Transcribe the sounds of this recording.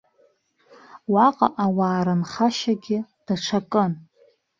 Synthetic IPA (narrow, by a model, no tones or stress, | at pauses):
waqʼa̰ʔawaːɾɨnχaʃaɡʲɪd̥aʈ͡ʂʷʰakʼɨn